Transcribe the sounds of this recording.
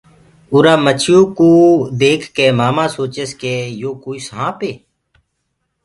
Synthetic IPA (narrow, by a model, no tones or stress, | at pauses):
uɾaːmət͡ʃʰɪjõːkuːd̪eːkʰkeːmaːmãːsoːt͡ʃeskeːjoːkoːiːsɦãːpeː